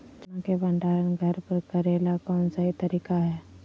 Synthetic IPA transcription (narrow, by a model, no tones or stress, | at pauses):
d͡ʒãkebɐ̃ɳɖaːɾənɡʱɐɾpəɾkɐɾeːlakɔːnsaɦit̪ɐɾiːkaɦɛː